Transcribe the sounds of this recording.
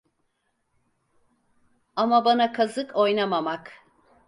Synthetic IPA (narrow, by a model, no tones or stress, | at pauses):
amabanakʰazɯkʰo̞jnamamak